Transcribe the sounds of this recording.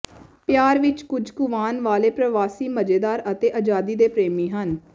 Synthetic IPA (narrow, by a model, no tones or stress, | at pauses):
pjaːɾʋɪt͡ʃkʊd͡ʒkʊʋaːnʋaːleːpɾəʋaːsiːməd͡ʒeːd̪aːɾət̪eːʔaːd͡ʒaːd̪iːd̪eːpɾeːmiːɦən